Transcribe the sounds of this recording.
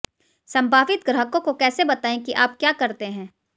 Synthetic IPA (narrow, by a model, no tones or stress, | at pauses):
sɐ̃mbʱaːʋɪt̪̚ɡɾɐɦəkõkokɛːsebɐt̪aːẽkiʔaːp̚kjaːkɐɾt̪eɦɛ̃ː